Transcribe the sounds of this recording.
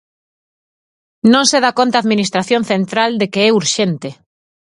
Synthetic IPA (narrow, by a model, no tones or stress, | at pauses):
nõŋseðakont̪aːðminist̪ɾaθjõnθent̪ɾald̪ekeɛuɾʃent̪e